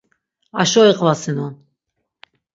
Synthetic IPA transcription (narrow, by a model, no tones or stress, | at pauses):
aʃɔiqʼvasinɔn